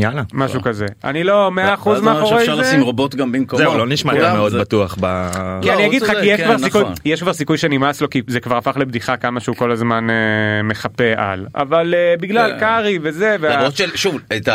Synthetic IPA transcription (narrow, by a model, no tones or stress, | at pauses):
jalamaʃukaze̞a̰nilo̞meaːχuzmeaoʁesimʁobot̪ɡambimkozeuloniʃmameod̪bat̪uaχbakianniaɡidχakijeʃkkvaʁsikujjeʃkvaʁsikujʃenimaslo̞kizekvaʁafaχle̞bd̪iχakamaʃeuko̞lazmaneme̞χape̞ʔa̰la̰valebiɡlalkaʁiveze̞veabotʃelʃuvet̪a